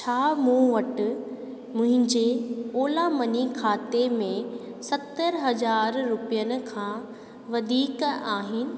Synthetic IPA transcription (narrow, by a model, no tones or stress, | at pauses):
t͡ɕʰaːmũʋɐʈ | mʊ̃ɦɪ̃ɲd͡ʑeoːlamɐɲikʰaːt̪emẽ | sɐt̪əɾɦɐd͡ʑaːɾːʊpijənɪ̆kʰãː | ʋɐd̪ʱiːkaːɦɪnɪ̆